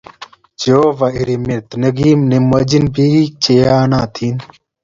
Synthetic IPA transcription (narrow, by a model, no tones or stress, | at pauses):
d͡ʑoːʋɐʔiɾimeɾt̪nɐɡiːmnemɐd͡ʑinbiit͡ɕejaːnãːt̪ʰiːn